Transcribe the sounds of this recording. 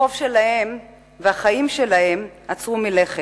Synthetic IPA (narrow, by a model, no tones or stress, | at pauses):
ofʃe̞lahe̞m | veaχaimʃe̞lahe̞mat͡sʁumile̞χe